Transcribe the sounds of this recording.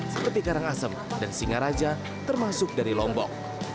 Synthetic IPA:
səpərt̪ikaɾaŋasəm | dansiŋaɾad͡ʒa | t̪ərmasʊk̚daɾilɔmbɔ̰k̚

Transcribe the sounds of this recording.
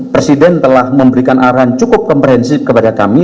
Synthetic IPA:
pɾesidɛnt̪əlahməmbəɾikanʔaɾɦant͡ʃukʊp̚kɔmpɾɦɛnsɪp̚kəpadakami

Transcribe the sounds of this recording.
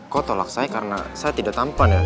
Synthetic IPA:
kot̪olak̚sajakaɾəna̰sajat̪idaʔ̚t̪ampanja

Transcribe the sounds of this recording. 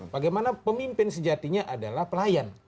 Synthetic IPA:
baɡajmanapəmimpɪnsəd͡ʒat̪iɲaʔadalahpəlajan

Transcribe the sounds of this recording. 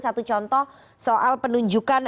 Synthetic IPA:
sat̪ut͡ʃɔnt̪ɔh | soʔalpənuɲd͡ʒukan

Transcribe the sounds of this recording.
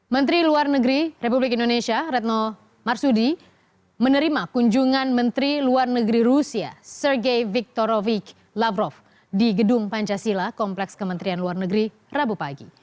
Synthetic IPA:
mənt̪ɾiluarnəɡɾirepublɪkindonesiaɾɛt̪̚nɔ | marsudi | mənəɾimakuɲd͡ʒuŋanmənt̪ɾiluarnəɡɾirusia̰sərɡejvik̚t̪ɔɾovik | lavɾɔf | diɡədʊŋpaɲt͡ʃasilakɔmplɛkskəmənt̪ɾianluarnəɡɾi | rabupaɡḭ

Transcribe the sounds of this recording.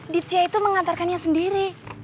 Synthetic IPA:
dit̪iait̪uməŋat̪arkanɲasəndiɾi

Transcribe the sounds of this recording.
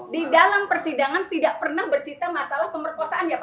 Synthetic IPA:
didalampərsidaŋant̪idaʔpərnahbərt͡ʃit̪amasalahpəmərkosaʔanjap

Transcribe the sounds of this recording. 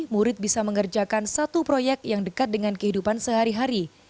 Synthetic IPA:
muɾɪt̪̚bisaməŋərd͡ʒakansat̪upɾojɛk̚jaŋdəkat̪̚dəŋankəɦidupansəɦaɾiɦaɾi

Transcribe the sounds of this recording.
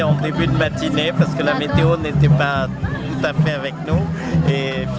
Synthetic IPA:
ɑ̃d̪ebyd̪əmat̪inepaʁsə̥kəlamet̪eonet̪ɛpat̪ut̪afɛavɛknu | e

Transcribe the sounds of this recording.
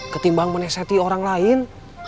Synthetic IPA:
kət̪imbaaŋmənɛsat̪ioɾaŋlaɪn

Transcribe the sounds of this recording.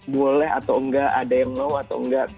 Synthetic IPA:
bolɛɦa̰t̪awŋɡaʔadajaŋlawat̪a̰wŋɡa

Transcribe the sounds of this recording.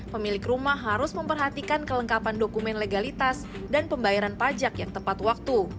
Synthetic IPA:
pəmilɪkrumahɦːaɾʊsməmpərɦat̪ikankələŋkapandokumɛnleɡalit̪as | danpəmbajaɾanpad͡ʒakjaŋt̪əmpat̪wak̚t̪u

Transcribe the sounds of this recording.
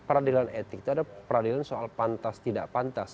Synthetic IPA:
pəɾadilanet̪ɪk̚t̪uadapəɾadilansoalpant̪ast̪ida̰ʔpant̪as

